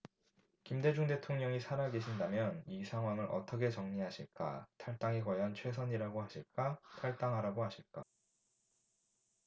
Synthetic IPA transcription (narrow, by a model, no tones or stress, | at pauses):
kimde̞d͡ʑuŋde̞tʰoŋɲʌŋisʰaɾaɡe̞ɕʰindamjʌnisʰaŋɦwaŋɯɾʔʌ̰t͈ʌkʰe̞t͡ɕʌŋɲiɦaɕʰiɭk͈a̰tʰaɭt͈aŋeɡwajʌnt͡ɕʰwe̞s̬ʰʌɲiɾaɡoɦaɕʰiɭk͈atʰaɭt͈aŋɦaɾaɡoɦaɕʰiɭk͈a̰